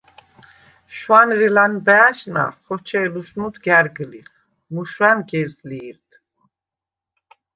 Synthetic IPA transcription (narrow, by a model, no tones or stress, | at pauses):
ʃwanɾɛlanbɛaʃna̰χɔt͡ʃʰɛlusnud̪ɡaɾɡəliχ | muʃɾanɡɛzliːɾd̪